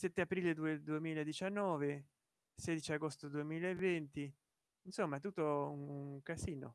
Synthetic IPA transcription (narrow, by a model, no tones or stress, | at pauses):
sɛt̪ːeapɾiːled̪ued̪uemiːlaed̪it͡ʃanːɔːve | sɛːd̪it͡ʃiaɡost̪od̪uemiːlaevːɛnt̪i | insomːat̪ːut̪ːoukasiːno̰